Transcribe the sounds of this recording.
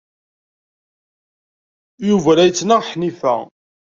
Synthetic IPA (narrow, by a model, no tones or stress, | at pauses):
juvæɾæjət͡sːnaʁħnifæ̰